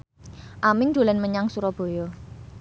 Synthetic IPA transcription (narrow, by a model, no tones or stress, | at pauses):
ʔamɪŋd̪̥o̤lɛnməɲaŋsuɾɔb̥o̤jɔ